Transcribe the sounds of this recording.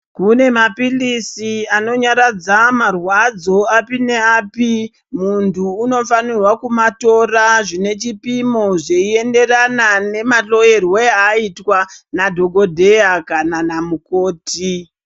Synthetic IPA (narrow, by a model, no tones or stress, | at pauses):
kune̞mapilisiano̞ɲaɾad͡zamarwad͡zo̞apine̞aːpi | muntʰuːno̞fanirwakumato̞raʐine̞t͡ʃipimo̞ʐeie̞nde̞ranane̞maɬo̞je̞rweaitwanadʱo̞ɡo̞dʱe̞akananamuko̞ːti